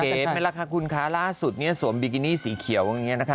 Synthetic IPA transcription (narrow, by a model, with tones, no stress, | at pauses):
eː˦˥ma˥˩la˧˥˩kʰa˧˥˩kʰu˧nkʰaː˦˥laː˥˩su˨˩t̪̚ni˥˩ɐsu˩˦mbi˧k̬i˧niː˥˩siː˩˦kʰi˩˦əwʔa˧ŋːi˦˥ɐ˧na˦˥kʰ